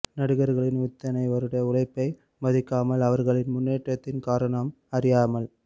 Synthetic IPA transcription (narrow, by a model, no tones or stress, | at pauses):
nɐɽɯɣɐɾɣɐɭɪnʊt̪ːɐnɐɪʋɐɾɯɽɐɐʊlɐɪpːɐɪ | mɐðɪkːaːmɐlɐʋɐɾɣɐɭɪnmʊnːeːʈrɐt̪ːɪnkaːɾɐɳɐm | ɐrɪjaːmɐl